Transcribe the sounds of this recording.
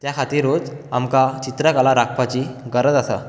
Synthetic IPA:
t̪jakʰat̪iːɾuːd͡zamkat͡ɕit̪ɾəkalaɾakʰʋat͡ɕiːɡəɾəd͡z̪asə̰

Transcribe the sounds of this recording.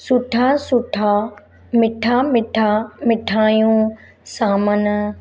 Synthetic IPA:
sʊʈʰaːsʊʈʰa | mɪʈʰaːmɪʈʰamɪʈʰaːjũ | saːmən

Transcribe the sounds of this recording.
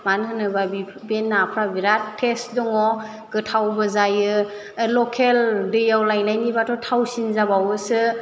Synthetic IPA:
manɦɯnɯbabi | benːapʰɾabiɾattʰːesdɔŋɔ | ɡɯtʰawbɯzajɯ | lɔkʰeldɯjawlajnajnibatʰɔtʰawsinzabawɯsɯ

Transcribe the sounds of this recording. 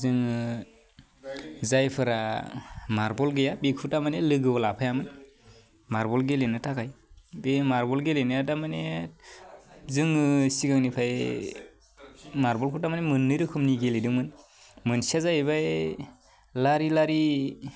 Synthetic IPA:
zɯŋɯ | zajpʰɯɾa | maɾbɔlɡɯjabekʰutamanelɯɡɯɔlapʰajamɯn | maɾbɔlɡelenɯtʰakajbemaɾbɔlɡelenɯjadamane | zɯŋɯsiɡaŋnipʰaj | maɾbɔlkʰutamanemɯnːɯjɾɯkʰɯmniɡelidɯŋmɯn | mɯnsazajβaj | laɾilaɾi

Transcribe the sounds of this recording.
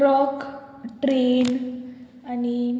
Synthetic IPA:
ɾɔk | ʈɾen | ani

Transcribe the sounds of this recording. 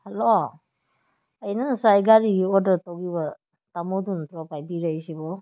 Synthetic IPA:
halo | əjnɯsajɡaɾiɡiɔdɯtɔɡibɐ | tamɔduntɾɔpajbiɾajsibɔ

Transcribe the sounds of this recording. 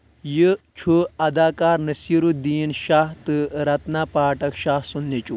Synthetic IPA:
jit͡ʃʰuɐd̪aːkaːɾnɐsiːɾud̪iːnʃaːɦt̪ɨɾɐt̪naːpaːʈɐkʃaːsunːet͡ʃu

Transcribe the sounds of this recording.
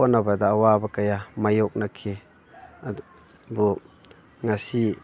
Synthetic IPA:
ɔnːabadaːwabakajamajɔk̚nakʰe | bu | ŋasi

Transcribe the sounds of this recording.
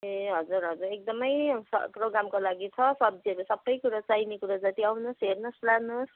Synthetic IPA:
eɦʌd͡zuɾɦʌd͡zuɾek̚d̪ʌmʌjsʌ̰proɡɾamkolaɡit͡sʰʌsʌbd͡ziʌɾusʌbːʌjkuɾat͡sajnekuɾad͡zat̪iawnʌsɦernʌslanos

